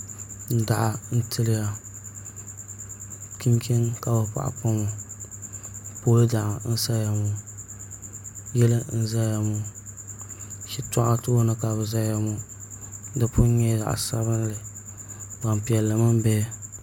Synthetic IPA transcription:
n̩˦da˨ʔa˨n̩˦tʰɨ˦lɪ˦ja˨ | ki˦mki˦nka˨bɨ˨pa̰˨ʔa̰˨pʊ˦mo˨ | po˦lɨ˦da˨ʔa˨n̩˦sa˦ja˨mʊ˨ | jɛ˦lɨ˦n̩˦za˦ja˨mu˨ | ʃi˦tɔ˦ʔa˦tɨ˦o˦nɨ˦ka˨bɨ˨za˦ja˨mu˦ | dɨ˦pʊ˦ɲɛ˦za̰˨ʔa̰˨sa˦βɨ˦n˦lɨ˨ | ba˨mpi˨ɛ˨lːɨ˨ma˦m˦bɛ˦

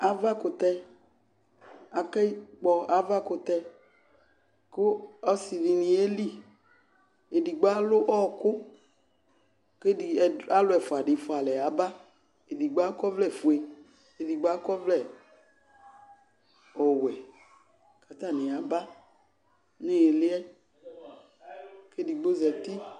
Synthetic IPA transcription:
a˨va˦kʊ˨t̪ɛ˧ | a˨kɛ˦i˦k͡pɔ˧a˨va˦kʊ˧t̪ɛ˦˧ | kʊ˦ɔ˦si˨ni˨nĩ˨e˦li˦ | e˨di˨ɡ͡ba˦lʊ˦ʔɔ˦kʊ˦ | ke˦i˨a˦lʊ˦ɛ˨fʊ˨a˨ɖɪ˨fʊ˨a˨lɛ˨a˨˦ba˦ | e˨di˨ɡ͡ba˦kɔ˦vlɛ˦˨fu˨e˨ | e˨di˨ɡ͡ba˦kɔ˦vlɛ˦˨ | ɔ˨wɛ˨ | ka˨t̪a˦˨nɪ̃˨a˨ba˦ | ne˦e˨lɪ˦ɛ˦ | ke˦di˨ɡ͡bo˦zɛ˨t̪i˦

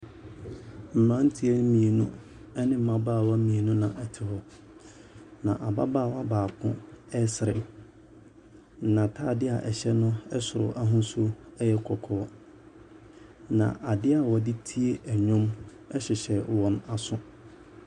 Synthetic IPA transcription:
m̩˨mã˦n̩˦tʰi˦ɛ˦mĩ˨e˨nũ˦ | ɛ˦nɪ̃˦m̩˦mã˦baː˦˨wa˦mĩ˨e˨nũ˦nã˨ʔɛ˨tʰɪ˨hɔ˦ | nã˨ʔa˨ba˦baː˦˨wa˦baː˨kʰʊ̃˦ɛ˦sɪ˨ɾɪ̰˨ | n̩˨nã˨tʰaː˦˨dɪ˦a̰˨ʔɛ˨ɕɛ˦nʊ̃˦ɛ˦sʊ˨ɾʊ̰˨ʔa˦ɦʊ̃˦sʊ˦ɛ˦jɛ˦kʰɔ˨kʰɔː˦ | nã̰˨ʔa˨dɪ˦a˨wɔ˨dɪ˦tʰi˦e˦ʔæ˨ɲᶣʊ̃˦m | ɛ˦ɕɪ˨ɕɛ˨wɔ̃˨na˨sʊ̃˦

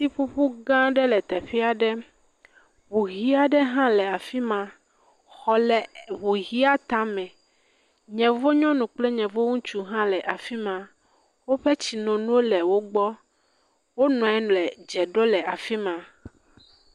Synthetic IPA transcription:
si˦ɸu˦ɸu˦ɡã˦ɖɛ˦lɛ˨t̪ɛ˨ɸi˦a˨ɖɛ˦ | βu˨ɣi˦a˦ɖɛ˦ɦã˦lɛ˨a˨fi˦mã˨ | xɔ˨lɛ˨βu˨ɣi˦a˦t̪ã˦mɛ̃˨ | ɲɛ̃˨vo˦ɲɔ̃˦nũ˨k͡plɛ˦ɲɛ̃˨vo˦ŋũ˦t͡ʃu˨ɦã˦lɛ˨ʔa˨fi˦mã˨ | wo˦ɸɛ˦t͡ɕi˨nɔ̃˨nũ˦wo˦lɛ˨wo˦ɡ͡bɔ˦ | wo˦nɔ̃˨ɛ˦ñ˨lɛ˨d͡ʒɛ˨ɖo˦lɛ˨a˨fi˦mã˨

